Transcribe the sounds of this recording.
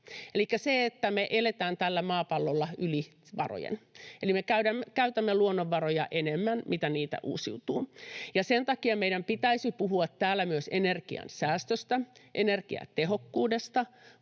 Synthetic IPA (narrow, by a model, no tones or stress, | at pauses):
elikːæseet̪ːæmeʔelet̪æːnt̪ælːæmɑːpɑlːolːɑyli | ʋɑ̰ro̰jḛnelimekæyɾæmːkæyt̪æmːeluonːoʋːɑrojɑʔenemːænmʔit̪æniːt̪æ̰ʔṵːsiut̪uːjɑsent̪ɑkiɑmeijɾæmpit̪æisipuɦuɑt̪tæːlːˑæmyøsenerkḭɑ̰nsæːst̪øst̪æʔenerkḭɑ̰t̪eɦokːuːdest̪ɑ